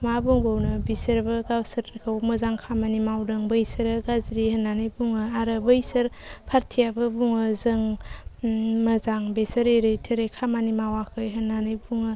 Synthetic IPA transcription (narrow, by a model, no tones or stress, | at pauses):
mabuŋbownɯbisɯɾbɯɡawsɐɾkʰawmɐzaŋkʰamanimawdɯŋbəjsɐɾɡazɾihənːanɯjbuŋɯaɾɯbəjsɐɾpʰaɾtʰijabɯbuŋɯzɯŋ | mɐzaŋbesəɾeɾɯjtʰɯɾejkʰamanimawakʰɯjɦənːanɯjbuŋɯ